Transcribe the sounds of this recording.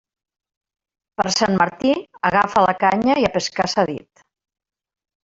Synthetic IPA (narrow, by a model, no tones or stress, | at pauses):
pəɾsanməɾt̪iəɣafəlakaɲəiapəskasaðḭt̪